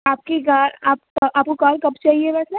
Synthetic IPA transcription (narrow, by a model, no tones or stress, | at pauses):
aːp̚kekaːɾaːp̚aːp̚kokɔːlkɐpt͡ʃaːɦiebɛːsnɛ